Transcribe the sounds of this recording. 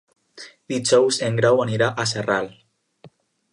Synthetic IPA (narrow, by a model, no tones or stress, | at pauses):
d̪̥id͡ʒɔwzeŋɡɾawaniɾaʔaseral